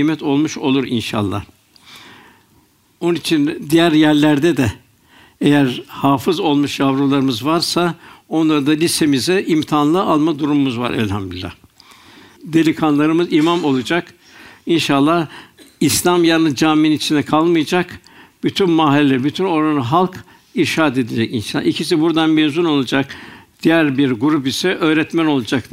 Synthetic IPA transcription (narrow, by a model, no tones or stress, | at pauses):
mɛt̪ʰo̞lˠmuʃo̞̰lˠuɾḭnʃa̰lˠːa̰h | o̞nunit͡ʃʰind̪ijæɾjæɾlʲæɾd̪ɛd̪ɛ | ejæɾhaːfɯzo̞lˠmuʃjavɾulˠaɾɯmɯzvaɾsao̞nlˠaɾɯd̪alʲise̞mizɛʔimt̪ʰaːnlˠɯʔalˠmad̪uɾumumuzva̰ɾɛ̰lʲha̰md̪ylʲːa̰h | d̪e̞lʲikʰanlˠaɾɯmɯzimamo̞lˠud͡ʒak | inʃalˠːahislʲamjanɯd͡ʒaːmeninit͡ʃʰind̪ɛkʰalˠmɯjad͡ʒak | b̥yt̪ʰynmaɦilʲelʲæɾbyt̪ʰyno̞ɾanɯɦalˠk | iʃaːt̪e̞d̪ed͡ʒɛcinʃalˠːa̰ʔicʰisibuɾd̪anmezuno̞lˠad͡ʒakd̪̥ijæɾbiɾɡuɾup̬isɛʔøːɾɛt̪mæno̞lˠad͡ʒak